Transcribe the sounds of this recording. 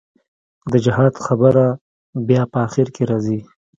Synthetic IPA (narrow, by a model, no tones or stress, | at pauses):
d̪əd͡ʒɪɦɑd̪xabəɾa | bjɑpəːxiɾkʰeɾɑzi